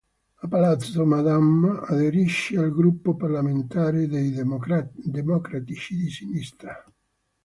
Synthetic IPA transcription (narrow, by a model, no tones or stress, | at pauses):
apalat̪somad̪amaðeɾiʃːɪalɡɾupːoparlament̪aːɾed̪ej | d̪emɔkɾat̪it͡ʃid̪isinist̪ɾa